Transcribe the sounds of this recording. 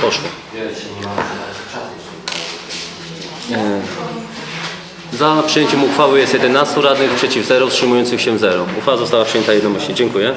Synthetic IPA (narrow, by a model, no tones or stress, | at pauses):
pɔʂwɔ | zapʂɨjeɲt͡ɕɛmuxfawɘjɛst̪jɛd̪ɛnast̪uɾad̪nɘxpʂɛt͡ɕivzɛɾɔtʂɘmujɔnt̪sɘxɕɛvzɛɾɔufawazɔst̪awapʂɨjɛnt̪ajɛd̪nɔmɛɕɲɛd͡ʑɛŋkujɛ